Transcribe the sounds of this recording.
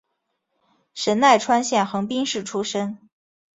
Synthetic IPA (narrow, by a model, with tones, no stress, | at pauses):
ʂə˧˥nna˥˩ɪʈ͡ʂʰwa˥nɕjɛ˥˩nxɤ˧˥ŋpi˥ŋʂɻ̩˥˩ʈ͡ʂʰu˥ʂə˥ŋ